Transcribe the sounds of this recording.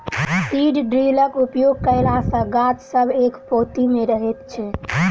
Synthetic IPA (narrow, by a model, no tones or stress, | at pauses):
siɖɖɾiləkupjoɡ̚kəɪlasə̃ɡat̪səbʱekpot̪imeɾəɦet̪t͡ʃʰɛ